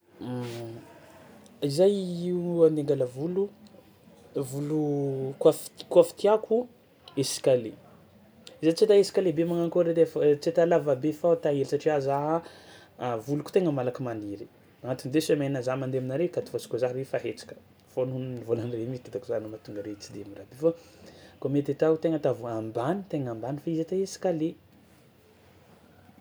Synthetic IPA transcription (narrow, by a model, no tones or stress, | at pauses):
izajiand̪eŋɡaləvulu | vulukafi̥t̪kwafi̥t̪iakʰu | esi̥kʲale | izajt͡set̪aesi̥kʲalebemaŋaŋkoɾed̪eft͡set̪alavabefat̪aɦelisaʈ͡ʂiazaɦa | vuluku̥t̪eŋəmalakəmaniɾi | aŋat̪und̪esemeinazamand̪eminaɾekat̪i̥fasi̥kʲozaɦɾefaɦet͡sḁkə̥ | fonunnivolanremist̪ad̪akuzanumat̪uŋɡəɾeit͡sid̪emirab̪efa | komet̪et̪aut̪eŋət̪avuambanit̪eŋambanifaizat̪aesi̥kale